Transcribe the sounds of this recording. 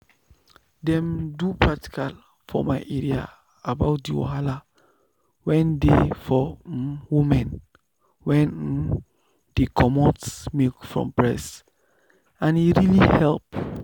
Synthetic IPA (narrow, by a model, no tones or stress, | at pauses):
dɛ̃mdupʰɹati̥kʰal | fɔ̰maɪʔeɹia̰ | abaʊt̚diwo̰hala | wɛ̃ndefɔwumɛ̃n | wɛ̃n̩ | d̥ikʰɔmɔ̃tsmekfɹɔ̰̃mpɹɛs | ãniɹilihɛlp